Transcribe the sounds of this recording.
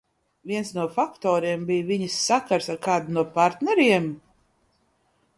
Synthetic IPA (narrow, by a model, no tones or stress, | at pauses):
vʲiɛnsnuɔfakt̪ɔːɾiɛmbijviɲisːakaɾsaɾkaːd̪unuɔpaɾt̪nɛɾiɛm